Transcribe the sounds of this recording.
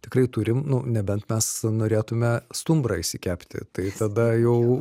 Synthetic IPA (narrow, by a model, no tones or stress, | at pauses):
t̪ʲɪkrɐɪt̪uːɾʲɪmnʊnʲɛbʲɛnt̪mʲɛsnoːɾʲeːt̪ʊmʲɛst̪ʊmbrɐɪʃsʲɪkʲæːpʲt̪ʲɪ̰t̪ɐɪt̪ɐd̪ɐjɛʊ